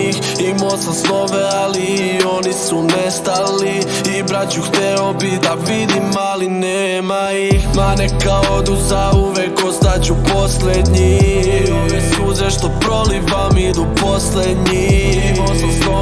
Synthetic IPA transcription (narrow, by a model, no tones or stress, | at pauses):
x | imosasloʋeali | o̞nisunest̪ali | ibɾat͡ɕuxt̪ɛobid̪aʋid̪imalineːma | ixmanekaod̪uzauʋekost̪at͡ɕupo̞sled̪ɲioisuzɾeʃt̪opɾo̞liʋamid̪upo̞sled̪ɲi | mosu | o